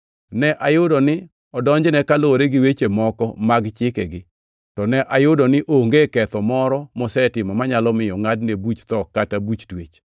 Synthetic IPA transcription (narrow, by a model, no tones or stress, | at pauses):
nɛʔajʊdɔnɪ | ɔdɔɲd͡ʒnɛkaloɾeɡɪwet͡ʃemɔkɔmaɡt͡ʃɪkɛɡɪ | tɔnɛʔajʊdɔnɪʔoŋɡekɛt̪ɔmɔɾɔmɔsɛtɪmɔmaɲalɔmɪjɔŋadnebut͡ʃt̪ɔkːatabut͡ʃtwet͡ʃ